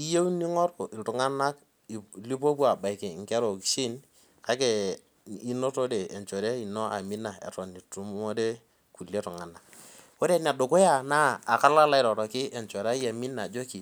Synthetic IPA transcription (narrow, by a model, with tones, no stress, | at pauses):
i˦je˦wni˦ŋɔ˦ɾkʊ˨ʔi˨tʊ˨ŋa˦na˦k | li˦po˦p̬u˦a˨ba˨ɪ˨kɪ˨ŋ˨kɛ˦ɾo˨ki̥˨˦ʃi˦n | ka˦ke˨ | i˦no˦to˦de˨e˨nt͡ʃo˨ɾe˦i˨no˦a˨mi˦na˨ḛ˨tɔ˨ni˨tu˦m˦o˦de˦ | ku˨le˦tʊ˨ŋa˨na˨k̚ | wo˦ɾe˦na˨dʊ˨kʊ˦ja˦˨naː˦˨ka˦la˦la˦ɪ˦ɾɔ˨ɾɔ˨kɪ˦ʔe˨ɲt͡ʃo˨ɾa˦ja˨mi˦na˨d͡ʒo˦ki˨